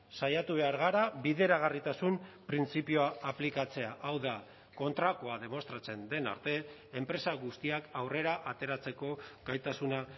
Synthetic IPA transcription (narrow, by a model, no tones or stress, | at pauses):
sajat̪uβe̞aɾɣ̞aɾaβbiðe̞ɾaɣarit̪asumpɾint͡sipioaːplikat͡se̞aʔawða | ko̞nt̪ɾakoaðe̞mo̞st̪ɾat͡se̞nd̪e̞na̰ɾt̪e̞ː | mpɾe̞saɣust̪iakawre̞ɾaʔat̪e̞ɾat͡se̞ko̞ɡajt̪asuna